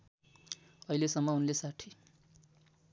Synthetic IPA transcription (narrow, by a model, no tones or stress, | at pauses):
ʌilesʌmːʌunlesaʈʰi